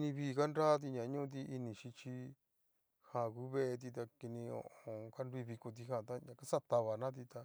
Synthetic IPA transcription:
ki˧nĩ˧βiː˦˧˨ka˦nɾaː˦t̪̬i˧ɲã˨˦ɲũ˦ũ˧t̪̬i˧ʔi˧nĩ˨ʃi˧t͡ʃi˧ | hã˧˨ku˦βe˦ʔe˧t̪̬i˧t̪a˧ki˧nĩ˧õ̰˧˨ʔoõ˧ka˦nɾi˦˧βi˧ko˧t̪̬i˧ɦã˧˨t̪a˦ɲã˧ka˦sa˦t̪a˧βa˨nã˦t̪i˧t̪a˧

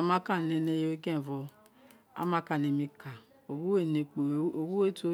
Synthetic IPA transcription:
a˨˧˦mã˦ka˦˨nɛ˨˧ne˧je˧o˦ɡɛ̃˦˨vɔ˧ | a̰˦mã˧˦ka˦˨ne˧˨mĩ˧ka˨ | o˨wu˦e˦˨ne˨k͡po˨˦o˨˧˨ɡu˦e˦to˧˦

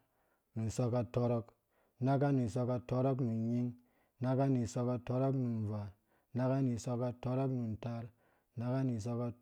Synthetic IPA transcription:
ni˨so˦ka˨to˦ɾo˦k | na˦ka˦ni˨so˧ka˦to˦ɾo˦k̬ni˨ɲi˦ŋ | na˦ka˦ni˨so˦ka˦to˦ɾo˦kni˨n˨va˨ | na˦ka˦ni˨so˦ka˦to˦ɾo˦kni˨n˨ta˦ɾ | na˦ka˦ni˨s̬o˧ka˦

